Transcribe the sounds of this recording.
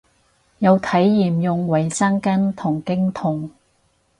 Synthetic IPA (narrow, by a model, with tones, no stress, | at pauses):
jɐ˨˧wt̪ʰɐ˨˥jːiː˨˩mjʊ˨ŋwɐ˨˩jsɐ˥ŋkɐ˥nt̪ʰʊ˨˩ŋkɪ˥ŋt̪ʰʊ˨˩ŋ